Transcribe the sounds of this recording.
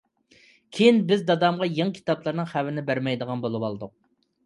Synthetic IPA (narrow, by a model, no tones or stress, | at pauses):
kʲʰejinbɪzd̪ɑd̪ɑmʁɑjeŋkʲʰi̥t̪ɑplˠəɾnɨŋχæwɪnɪbæɾmɛjd̪əʁɑnbolˠɨwɑlˠɨd̪ʊq̚